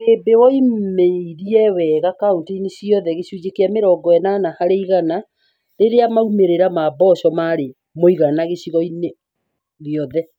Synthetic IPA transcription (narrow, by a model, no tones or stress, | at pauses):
ebewɔimeiɾiɛwɛɣakaoteineɕjɔðɛɣeɕud͡ʑekeameɾɔɡɔɛnanahaɾeiɣana | ɾeɾeamaumeɾeɾamabɔʃɔmaɾe | moiɣanaɣeɕiɣɔine | ðjɔðɛ